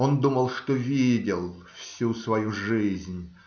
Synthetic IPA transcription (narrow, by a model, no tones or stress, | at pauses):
ond̪uməlˠʂt̪ovʲidʲɪlˠfsʲusvɐjuʐɨɪzʲnʲ